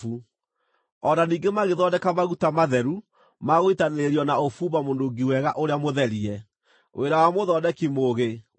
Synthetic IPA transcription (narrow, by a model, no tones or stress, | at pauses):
u | ɔnaniːŋɡemaɣeðɔdɛkamaɣutamaðɛɾu | maɣoitaneɾiɔnaofuːβamondoɡiwɛɣaʔoɾeamoðɛɾiɛ | wʔḛɾawamoðɔdɛkimoɣe